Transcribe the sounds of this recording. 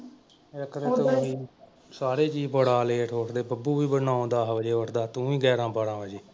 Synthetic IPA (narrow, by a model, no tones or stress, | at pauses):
əkɾeːt̪ə̃iː | saːɾeːt͡ʃiːbəɽaːleːʈʰoːʈd̪eːbəbuːʋiːbənãːõːd̪aːɦʋəd͡ʒeːəʈd̪aːt̪ũːĩːɡɛːɾãːbəɽãːəd͡ʒeː